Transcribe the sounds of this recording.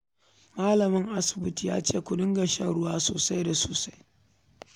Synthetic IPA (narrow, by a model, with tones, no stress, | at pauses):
maː˦lɐ˨mɪ˦ŋʔa˦sʊ̥˨bʊ˦ti˨ja̰ː˦t͡ʃeː˦˨kʷʊ˨dʊ˦ŋɡɐ˨ʃa˦ɽʊ˦waː˦so̰ː˨sa˦jda˨soː˨sa˦j